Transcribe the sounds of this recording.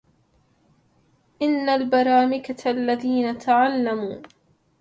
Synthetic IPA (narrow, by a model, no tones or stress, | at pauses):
ʔɪnːalbɑɾˤɑːmɪkaalːaðiːnat̪ʰaʕalːamuː